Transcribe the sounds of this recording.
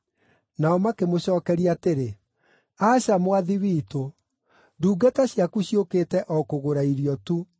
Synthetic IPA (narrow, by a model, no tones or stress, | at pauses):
naɔmakemoɕɔːkɛɾiateɾe | aɕamowaðiwiːto | duːɡataɕjakuɕiokeːtɛʔɔkoɣoɾaiɾiɔtu